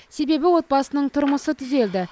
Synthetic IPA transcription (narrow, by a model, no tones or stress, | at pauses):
se̞be̞bɪwo̞t̪̚bɑsənəɴt̪ʰʊɾməsət̪ʰʏze̞ld̪ɪ